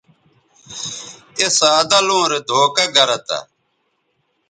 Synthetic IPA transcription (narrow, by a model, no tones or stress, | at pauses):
esaːd̪ɐlũːɾed̪ʱoːkɐɡɐɾɐt̪a̰